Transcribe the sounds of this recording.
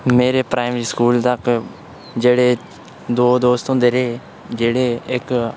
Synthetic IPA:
meːɾeːpɾaːɪmɾiːskuːlt̪ək | d͡ʒeːɽeː | d̪oːd̪oːst̪õːd̪eɾeː | d͡ʒeːɽeːɪk

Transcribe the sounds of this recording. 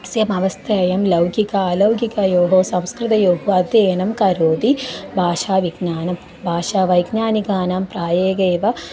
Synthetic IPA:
sjɐmɐʋɐst̪ʰɐːjɐmlɐwɡikaːlɐwɡikɐjoːɦoːsɐ̃mskɾɪt̪ɐjoːɦuɐd̪jeːnɐmkɐɾoːd̪ibʱaːʃaːʋiɡnaːnɐm | bʱaːʃaːʋɐjɡnaːniɡaːnaːmpɾaːjeːɡeːʋɐ

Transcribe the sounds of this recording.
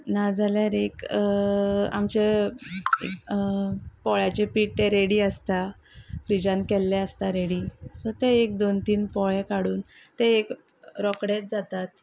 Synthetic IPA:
nad͡zaljaɾek | a̰mt͡ɕe | pɔɭjat͡ɕepiʈt̪eɾeɽiːəst̪a | fɾid͡ʑãnkɛlːɛəst̪aɾeɽiːsəɾt̪eek̚d̪ont̪iːnpɔɭẽkaɽuːnt̪eek | ɾɔkɽet̪̚d͡zat̪at̪

